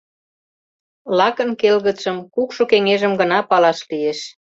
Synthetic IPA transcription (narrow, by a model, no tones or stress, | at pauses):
lɑkə̆nkelɣə̆t͡sə̆mkukʃokeŋeʒəmɡə̆nɑpɑlɑʃlieʃ